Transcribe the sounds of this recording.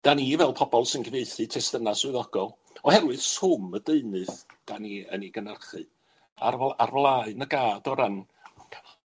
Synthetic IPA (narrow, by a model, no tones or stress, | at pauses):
d̥anivɛlˠpʰɔbɔlˠsɪnɡəveɨθɨtʰɛstənasɨðɔɡ̥ɔlˠ | ɔhɛɾwɨð̥sʊmədeɨnɨðd̥aniəniɡənərχɨ | a̰rarvlˠaːɨnəɡaːdɔɾənʰ